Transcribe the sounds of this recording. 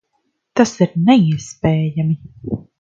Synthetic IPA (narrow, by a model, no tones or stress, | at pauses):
t̪asiɾnɛiɛspeːjami